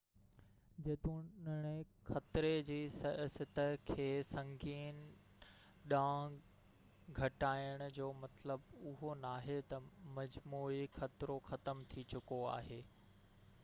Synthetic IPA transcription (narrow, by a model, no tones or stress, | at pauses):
d͡ʑeːt̪ũnəɽ̃ɪ | xɐt̪ɾed͡ʑiːsɐsət̪əkʰeːsɐ̃ŋɡiːn | ɗãːɦ | ɡʱɐʈaːɪəɽ̃ʊ̆d͡ʑoːmɐt̪ləbʊɦonaːɦet̪ɐmɐd͡ʑmuːixɐt̪ɾoxɐt̪əmt̪ʰit͡ɕʊkoa̰ːɦeː